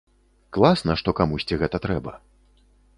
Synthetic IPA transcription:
klˠasnɐʂt̪ɔkamusʲt͡sʲiɣɛt̪ɐt̪ɾɛbɐ

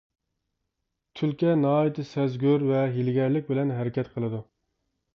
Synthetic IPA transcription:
t̪ʰylkʲɛnɑɑːjit̪ʰɨsɛzɡʲyɾvɛɦilɡʲɛɾlɪk̚ʲbɪlɛnɦɛɾɪkʲɛt̪qʰəlˠɨd̪u

